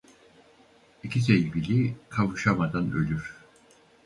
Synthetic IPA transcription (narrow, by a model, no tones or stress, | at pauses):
icʰis̬ejibilʲikʰavɯʃamad̪anø̞̰lʲyɾ̥